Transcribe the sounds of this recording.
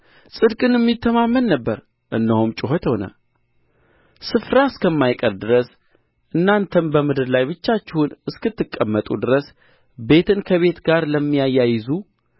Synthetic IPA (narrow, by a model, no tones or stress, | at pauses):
sʼɨd̪kʼɨnɛmːit̪ʰːəmamːəlːəbːəɾ | ʔɨnːəhumt͡ʃʼɪɦot̪ho̞nə̰ | sɨfɾaɨskʰəmːajkʼəɾd̪ɨɾəs | ʔɨnːant̪ʰəmbəmɨd̪ɨɾlajβɨt͡ʃːat͡ʃːɪhunɨskɨt̪ːɨkʼːəmːət̪ʼṵd̪ɨɾəs | be̞t̪ʰɨnkʰəβe̞t̪ɡaɾləmːijajːajɪzu